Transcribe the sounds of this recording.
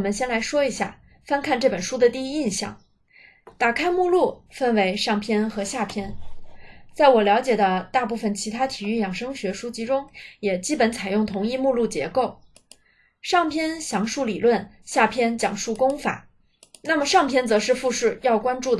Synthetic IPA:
mə˨˦nɕjɛ˥nla˧˥ɪʂwɔ˥i˧˥ɕja̰˥˩ | fa˥nkʰa˥˧nʈ͡ʂɤ˥˩pə˨˩nʂu˥d̪ə˨t̪i˥˧i˥i˥˩nɕjɑ̰˥˩ŋ | t̪a˨˩kʰa˥ɪmu˥˧lu˥˩fə˥˩nwe˧˥ɪʂɑ˥˩ŋpʰjɛ˥nxɤ˧˥ɕja˥˩pʰjɛ˥n | t͡sa˥˩ɪwɔ˨˩ljɑ˧˥ʊt͡ɕjɛ˨˩d̪ə˦t̪a˥˧pu˥˩fə˩nt͡ɕʰi˧˥t̪ʰa˥t̪ʰi˨˩y˥˩jɑ˨˩ŋʂɤ˥ŋɕɥɛ˧˥ʂu˥t͡ɕʰi˧˥ʈ͡ʂʊ˥ŋjɛ˨˩t͡ɕi˥pə˧˥nt͡sʰa˨˩ɪjʊ˥˩ŋt̪ʰʊ˧˥ŋi˥˧mu˥˧lu˥˩t͡ɕjɛ̰˧˥ko˥˩ʊ | ʂɑ˥˩ŋpʰjɛ˥nɕjɑ˧˥ŋʂu˥˩li˨˩lwə˥˩n | ɕja˥˩pʰjɛ˥nt͡ɕjɑ˨˩ŋʂu˥˩kʊ˥ŋfa̰˨˩˦ | na˥˩mə˩ʂɑ˥˩ŋpʰjɛ˥nt͡sɤ˧˥ʂɻ̩˥˧fu˥˧ʂɻ̩˥˩jɑ˥˩ʊkwa˥nʈ͡ʂu˥˩d̪

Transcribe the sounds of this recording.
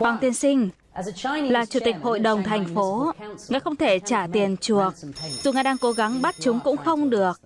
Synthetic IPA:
waː˨˩ŋt̪i˧ənsï˧ŋ̟˧ | nlaː˨˩t͡ɕu˧˩t̪i˨˩k̟̚ho̰˧˨jɗə˨˩wŋ͡mt̪ʰa˨˩jŋ̟fo˨˦ŋaː˧˨˦xə˧wŋ͡mt̪ʰe˧˩t͡ɕaː˧˩t̪i˨˩ənt͡ɕu˨˩ək̚z̥u˨˩ŋaː˧˩jɗaː˧ŋko˨˦ɣa˨˦ŋɓa˦˥t̚t͡ɕʊ˨˦ŋ͡mkʊ̰˧˥ŋ͡mxə˧wŋ͡mɗɨ˨˩ək̚

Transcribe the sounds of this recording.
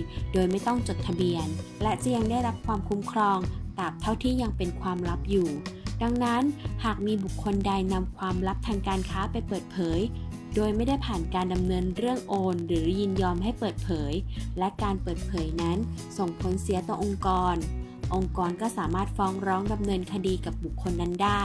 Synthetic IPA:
doː˧jma˥˩jt̪ɔ˥˩ŋt͡ɕo˨˩t̪ʰːa˧bi˧ənlɛ˦˥t͡ɕa˨˩ja˧ŋda˥˩jɾa˦˥p̚kʰwaː˧mkʰu˦˥mkʰɾɔː˧ŋkaː˨˩p̚t̪ʰa˥˩wt̪ʰiː˥˩ja˧ŋpe˧nkʰwaː˧mɾa˦˥p̚juː˨˩da˧ŋna˦˥nhaː˨˩k̚miː˧bu˨˩kʰːo˧nda˧jna˧mkʰwaː˧mɾa˦˥p̚t̪ʰaː˧ŋkaː˧nkʰaː˦˥pa˧jpɤː˨˩t̪̚pʰɤː˩˦j | doː˧jma˥˩jda˥˩jpʰaː˨˩nkaː˧nda˧mnɤː˧nɾɯ˥˩əŋʔoː˧nɾɯː˩˦ji˧njɔː˧mɦa˥˩jpɤː˨˩t̪̚pʰɤː˩˦jlɛ˦˥ʔkaː˧npɤː˨˩t̪̚pʰɤː˩˦jna˦˥nso˨˩ŋpʰo˨˩˦nsi˨˩˦ət̪ɔː˧˩ʔo˧ŋkɔː˧n | ʔo˧ŋkɔː˧nkɔː˥˩saː˩˦maː˥˩t̪̚fɔː˦˥ŋɾɔː˦˥ŋda˧mnɤː˧nkʰa˧diː˧ka˨˩p̚bu˨˩kʰːo˧nːa˦˥ndaː˥˩

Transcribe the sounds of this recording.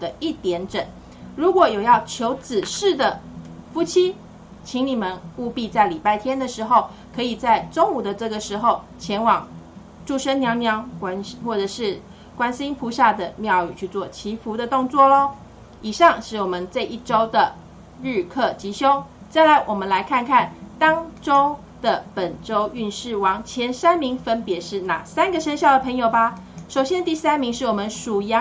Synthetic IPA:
d̪ə˦i˥˩t̪jɛ˧˥nʈ͡ʂə˨˩˦n | ɻu˧˥kwɔ˨˩jo˨˩ʊjɑ˥˩ʊt͡ɕʰjo˧˥ʊt͡sɹ̩˨˩ʂɻ̩˥˩d̪ə˩ | fu˥t͡ɕʰi˥ | t͡ɕʰi˧˥ŋni˨˩mə˦nu˥˧pi˥˧t͡sa˥˩ɪli˨˩pa˥˩ɪt̪ʰjɛ˥nd̪ə˨ʂɻ̩˧˥xo˥˧ʊ | kʰɤ˧˥i˨˩t͡sa˥˩ɪʈ͡ʂo˥ŋu˨˩d̪ə˦ʈ͡ʂɤ˥˩ɡə˩ʂɻ̩˧˥xo˥˧ʊt͡ɕʰjɛ˧˥nwɑ˨˩ŋ | ʈ͡ʂu˥˧ʂə˥njɑ˧˥ŋnjɑ˧˥ŋ˥nxwɔ˥˩ʈ͡ʂɤ˨˩ʂɻ̩˥˩ | kwa˥nɕi˥npʰu˧˥ɕja˥˩d̪ə˩mjɑ˥˧ʊy̰˨˩t͡ɕʰy˥˧t͡swɔ˥˩t͡ɕʰi˧˥fu˧˥d̪ə˧t̪ʊ˥˧ŋt͡swɔ˥˩lə˨˦ | i˨˩ʂɑ˥˧ŋʂɻ̩˥˩wɔ˨˩mə˦nt͡sa˥˧ɪʔi˥˩ʈ͡ʂo˥ʊd̪ə˨ | ɻ̩˥˧kʰɤ˥˩t͡ɕi˧˥ɕjo˥ʊt͡sa˥˩ɪla˧˥ɪwʔɔ˨˩mə˦nla˧˦˥ɪkʰa˥˧nkʰa˥˩nt̪ɑ˥ŋʈ͡ʂo˥ʊ | d̪̥ə˨pə˨˩nʈ͡ʂo˥ʊy˥˧nʂɻ̩˥˩wɑ˨˥˩ŋt͡ɕʰjɛ˧˥nsa˥nmi˧˥ŋfə˦npjɛ˨˧˥ʂɻ̩˥˩na̰˨˩sa˦nɡə˨ʂə˥nɕjɑ˥˩ʊd̪ə˩pʰə˧˥ŋjo˨˩ʊba˨ | ʂo˨˩ʊɕjɛ˥nd̪ə˧t̪i˥˩sa˥nmi˧˥ŋʂɻ̩˥˩wɔ˨˩mə˧˦nʂu˨˩jɑ˧˦

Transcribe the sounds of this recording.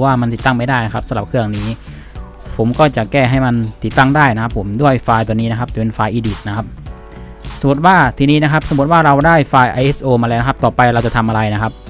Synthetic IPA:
waː˥˩ma˧nt̪i˨˩t̪ːa˥˩ŋma˥˩jdaː˥˩jna˦˥kʰa˦˥p̚sa˧˦mɾa˨˩kʰɯ˥˩əŋniː˦˥ | pʰo˩˦mkɔː˥˩t͡ɕa˨˩kɛː˥˩ɦa˥˩jma˧nt̪i˨˩t̪ːa˥˩ŋdaː˥˩jna˦kʰa˦˥pʰːo˩˦mdu˥˩əjfaː˧jt̪ɔː˧niː˦˥na˥kʰa˦˥t͡ɕɛ˨˩pe˧nfaː˧jʔiː˧diː˨˩t̪̚na˦˥kʰa˦˥p̚ | sa˧˦mu˨˩t̪̚waː˥˩t̪ʰiː˧niː˦˥na˦˥kʰa˦˥p̚sa˨˦m˨˩t̪̚waː˥˩ɾa˧wdaː˥˩jfaː˧jʔa˧jʔe˦˥sʔoː˧maː˧lɛː˦˥na˦˥kʰa˥pt̪ɔː˨˩pa˧jɾa˧wt͡ɕa˨˩t̪ʰa˧mʔa˧ɾa˧jna˦˥kʰa˦˥p̚

